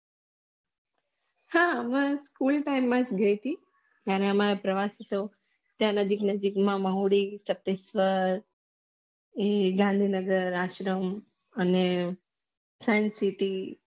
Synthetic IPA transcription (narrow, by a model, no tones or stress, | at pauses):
haəmãskulʈaimːãd͡ʒɡəit̪i | d͡ʒjaɾeəmaɾapɾəʋaset̪o | t̪jãnəd͡ʒiknəd͡ʒikmãməɦuɽisət̪esʋəɾ | eɡãnd̪ʱinəɡəɾaʃɾəm | əne | sajnsiʈi